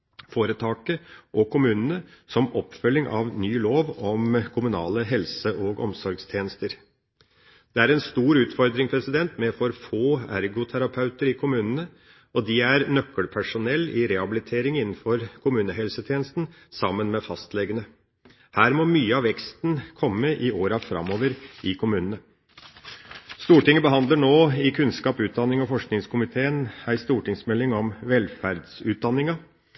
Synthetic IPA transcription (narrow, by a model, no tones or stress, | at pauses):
foːɾət̪ʰɑːkəʔɔkʰʊmʉːnənəsɔmɔpːfœlːɪŋʔɑ̰ʋnyːloːʋɔmkʰʊmʉnɑ̰ːləɦɛlsəʔɔɡɔ̰msɔɾɡst̪ʰjeːnəst̪əɾ | d̪̥ɛæɾɛnst̪uːɾʉːt̪fɔɾd̪ɾɪŋpʰɾɛsɪd̪ɛnt̪mɛfɔɾfoːæ̰ɾɡʊt̪ʰæɾɑpʰɑʉt̪əɾɪkʰʊmʉːnənə | ɔd̪ɪæɾnœkːəlpʰæʂʊnɛlːʔɪɾɛhɑbɪlɪt̪ʰeːɾɪŋɪnn̩fɔɾkʰʊmʉːnəɦɛlsət̪ʰjeːnəst̪n̩ | sɑmːənmɛfɑst̪lɛɡənə | hæːɾmɔmyːəɑʋɛkst̪nkʰɔmːəʔɪoːɾɑfɾɑ̰mːoːʋəɾʔɪkʰʊmʉːnənə | st̪uːʈɪŋːəbəɦɑnd̪ləɳoːɪkʰʉnskɑːpʉːt̪̚d̪ɑnːɪŋɔfɔʂknɪŋskʰʊmɪt̪ʰeːənæɪst̪uːʈɪŋsmɛlːɪŋɔmʋɛlfæɾd̪sʉːt̪̚d̪ɑnːɪŋɑ